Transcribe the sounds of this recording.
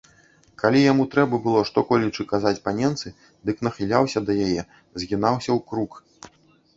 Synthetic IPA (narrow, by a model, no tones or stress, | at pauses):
kalʲijamut̪ɾɛbɐbɨlˠɔʂt̪ɔkɔlʲit͡ʂɨkazat͡sʲpanʲɛnt̪sɨ | d̪ɨknɐxɨlʲawsʲɐd̪ɐjajɛ | zʲɣʲinawsʲɐwkɾuk